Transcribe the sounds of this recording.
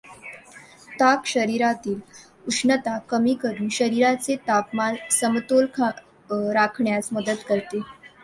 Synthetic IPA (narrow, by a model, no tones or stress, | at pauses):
t̪akɕəɾiɾat̪iːl | uʂnət̪akəmiːkəɾuːnɕəɾiɾat͡set̪apmansəmt̪olkʰa | ɾakʰɳjasməd̪ət̪kəɾt̪e